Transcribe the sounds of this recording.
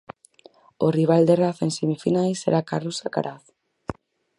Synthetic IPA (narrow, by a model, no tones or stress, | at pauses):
oriβ̞ald̪eraθensemifinajseɾakarusaka̰ɾʔaθ